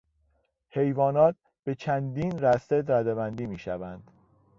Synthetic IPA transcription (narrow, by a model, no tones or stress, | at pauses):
he̞jvɒːnɒːt̪̚ | b̥e̞t͡ʃʰænd̪iːnɾæst̪ed̪ɾæd̪ebænd̪iːmiːʃævænd̪̥